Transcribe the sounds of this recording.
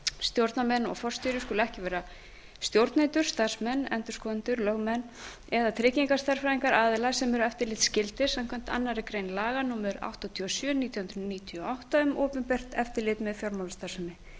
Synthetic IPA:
st̪jowɾt̪namɛnːɔ̰ɣfɔr̥st̪ʏɾʏskʏːlʏɛhcɪvɛːɾa | st̪jowɾt̪naejnt̪ʏɾ̥st̪aɾ̥smɛnːɛ̰nt̪ʏɾskʰɔːðʏnt̪ʏɾlœɣmɛnː | ɛðat̪ʰɾɪːciŋkḁst̪ar̥faiŋkaɾaːðɪlasɛmɛɾʏɛft̪ɪɾlɪːt̪scɪlt̪ɪ̥samkʰvɛm̥t̪a̰nːaɾɪkɾeːjnlaːɣanuːmʏɾa̰wht̪ɔt̪ʰiɔsjœːnit̪jɔhʏnɾʏniːt̪ʰiɔawht̪aʏmʔoːpʏmpɛr̥t̪ɛft̪ɪɾlɪːt̪mɛðfjɔɾmawlast̪ḁsʏmɪ

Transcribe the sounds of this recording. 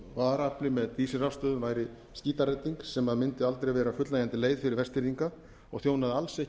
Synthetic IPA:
vaːɾaplɪmɛðt̪iːsɪrafst̪œːðʏmvaːjɾɪ | sciːt̪aɾɛt̪ːiŋksɛmaðmɪnt̪ɪalt̪ɾejvɛːɾafʏt̪laːjant̪ɪleːjðfɪɾɪɾvɛst̪iɾiŋka | ɔɣθjownaðalsɛh

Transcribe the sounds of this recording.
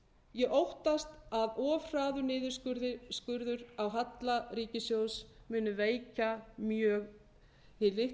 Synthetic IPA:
jɛʔowht̪ast̪aðɔːvr̥aːðʏnɪːðʏɾskʏɾðɪskʏɾðʏɾawɦat̪lariːcɪsjowsmʏːnʏveːjcamjœːɣ | θɪlɪh

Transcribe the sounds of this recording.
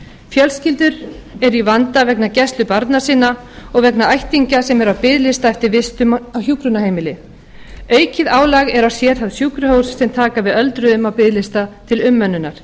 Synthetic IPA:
fjœlscɪlt̪ʏɾɛɾivant̪avɛknacɛst̪lʏpaɾt̪nasiːna | ɔɣvɛknaajht̪iɲcasɛmɛɾawpɪðlɪst̪aɛft̪ɪɾvɪst̪ʏmawçjuːkɾʏnaheːjmɪlɪ | œːɥcɪðaːwlaɣɛɾawsjɛːɾ̥θaðsjuːkɾʏhowsːɛmt̪ʰaːkavɪðœlt̪ɾʏðʏmawpɪðlɪst̪at̪ʰɪlʏmːœnːʏnaɾ̥

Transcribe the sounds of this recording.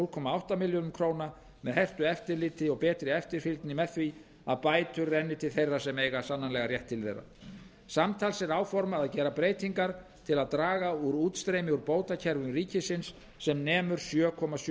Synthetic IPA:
ulkʰɔːmaawht̪amɪljonʏmkʰɾoːwna | mɛðhɛr̥t̪ʏɛft̪ɪɾlɪːt̪ɪɔɣpɛːt̪ɾɪɛft̪ɪɾ̥filt̪nɪmɛðθvi | aðpaːjt̪ʏɾːɛnːɪt̪ʰɪlθejrːasɛmeːjɣasanːanlɛɣaɾjɛht̪ʰːɪlθḛjra̰ | samt̪ʰaːlsɛɾaːwfɔɾmaðaðcɛːɾapɾeːjt̪iŋkaɾ̥t̪ʰɪlaðt̪ɾaːɣauɾuːt̪st̪ɾejmɪuɾpoːwt̪acʰɛɾvʏmriːcɪsɪnsː | ɛmnɛːmʏɾ̥sjœːkʰɔmas

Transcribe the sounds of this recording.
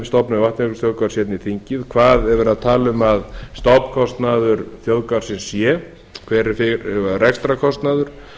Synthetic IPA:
st̪ɔpnavaht̪ɛkʏ̥sθjowðkaɾsjɛt̪niθiɲcɪðkʰvaːðɛɾvʏɾaðt̪ʰaːlʏmaðst̪ɔpkʰɔst̪naðʏɾθjowðkaɾ̥sɪnsjɛ | kʰvɛːɾɪfɪɾvarɛkst̪ɾakʰɔst̪naðʏɾ̥

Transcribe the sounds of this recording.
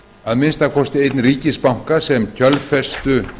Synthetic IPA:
aðmɪnst̪aðkʰɔst̪ɪejt̪nriːcɪspawŋ̥kasɛmcʰœlfɛ̥st̪ʏ

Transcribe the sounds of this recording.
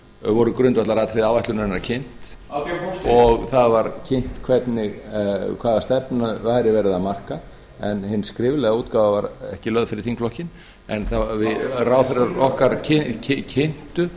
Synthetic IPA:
vɔɾʏkɾʏnt̪vat̪laɾaːt̪ʰɾɪðaːwvajht̪lʏnɛnːaɾcʰɪn̥t̪ | ɔɣθaðvaɾcʰɪn̥t̪kʰvɛt̪nɪɣkʰvaːðast̪ɛpnaðvajɾɪvɛːɾɪðaðmar̥ka | ɛnhɪnːskɾɪːvɪlɛɣauːt̪kaːvavaɾɛ̰hcɪlœðfɪɾɪɾ̥θiŋkflɔhcɪn | ɛnθavɪraːwθɛɾaɾɔhkaɾcʰɪcʰɪcʰɪn̥t̪ʏ

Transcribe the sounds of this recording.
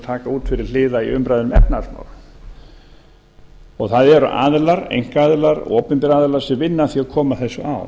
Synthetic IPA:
t̪ʰaːkauːt̪fɪɾɪɾ̥l̥ɪːðaḭʏmpɾajðʏnʏmɛ̰pnaalma̰ːwl | ɔɣθaðɛɾʏ̰ʔa̰ːðlaɾḛjŋ̥kaːðlaɾɔːpɪnp̪ɪɾaːðlaɾ̥sɛmvɪnːaθiaðkʰɔːmaθɛsːʏʔa̰w

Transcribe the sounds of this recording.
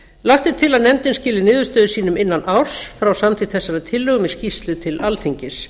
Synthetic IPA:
laht̪ɪt̪ʰɪlaðnɛnt̪ɪnscɪːlɪnɪːðʏɾ̥st̪œːðʏsiːnʏmɪnːanʔaw̥sfɾawsamt̪ʰit̪θɛsːaɾat̪ʰɪlːœɣʏmɛðscist̪lʏt̪ʰɪlʔalθiɲcɪs

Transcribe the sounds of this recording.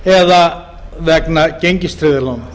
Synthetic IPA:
ɛða | vɛknaceɲcɪst̪ɾɪðalawna

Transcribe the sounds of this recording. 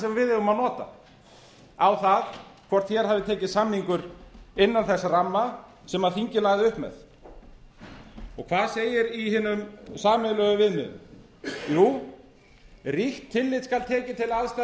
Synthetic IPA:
sɛmavɪðɛvʏmaðnɔːt̪a̰ | awθaðkʰvɔr̥t̪çɛɾ̥havðɪt̪ʰɛːcɪðsamhiŋkʏɾɪnːanθɛsːaramːa | sɛmaðθiɲcɪlajɣðɪʏhpmɛ̰ð | ɔɣkʰvaːðseːjɪɾihɪːnːʏmsaːmɪðlœːɣʏvɪðmɪ̰ð | juː | riht̪ʰːɪlːɪt̪skalt̪ʰɛːcɪt̪ʰɪlaðst̪a

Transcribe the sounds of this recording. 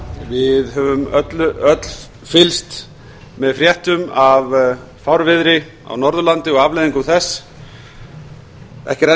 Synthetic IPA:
vɪðɦœvʏmœt̪lʏœt̪l̥ | fɪlst̪ | mɛðfɾjɛht̪ʏmav | fawɾvɪðɾɪ | a̰wnɔɾðʏlant̪ɪɔɣavlɛðiŋkʏθɛsː | ɛ̰hcɪɾɛ

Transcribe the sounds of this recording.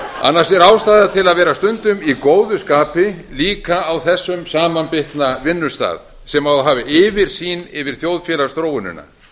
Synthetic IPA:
a̰nːaɾsɛɾaːwst̪aːðat̪ʰɪlaðvɛːɾast̪ʏnt̪ʏmikoːwðʏskaːpɪliːkaːwθɛsːʏmsaːmanpɪht̪navɪnːʏ̥st̪a̰ːð | sɛmawðɦaːvɪʔɪːvɪɾ̥siːnɪvɪɾ̥θjowðfjɛːlḁst̪ɾoːwɪnʏ̰nːa̰

